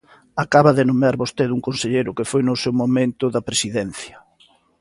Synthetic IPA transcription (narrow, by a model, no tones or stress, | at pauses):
akaβɐðɪnomeaɾβost̪eðuŋkonseʎejɾʊkefojnʊsewmomẽnt̪ʊðɐpɾesiðɛn̟θjɐ